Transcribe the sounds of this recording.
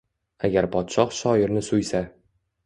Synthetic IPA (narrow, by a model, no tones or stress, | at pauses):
aɡʲaɾpɒt̪ʃɒχʃɒjɪ̆ɾnɪsujsa